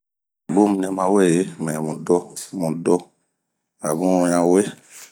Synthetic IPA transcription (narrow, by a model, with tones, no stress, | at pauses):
bo˦mũ˦nɛ̃˧mã˧wɛ˦˨je˨˦mɛ̃˨mũ˨dɔ˧mũ˨dɔ˦ | a˨bũ˦ũ˧˦jã˧we˦